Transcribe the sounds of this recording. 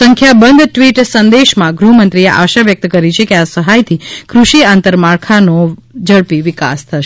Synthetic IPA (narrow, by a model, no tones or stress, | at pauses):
əŋkʰjabənd̪ʈʋiʈsənd̪eʃmãɡɾumənt̪ɾieʔa̰ʃaʋjək̚t̪kəɾit͡ʃʰekeasəɦajt̪ʰikɾuʃiant̪əɾmaɭkʰanod͡ʒəɭpiʋɪka̰st̪ʰəʃ